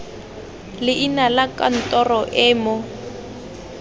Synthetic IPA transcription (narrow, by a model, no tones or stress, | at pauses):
lɪʔinalakan̩tʼɔrɔʔɛːmɔ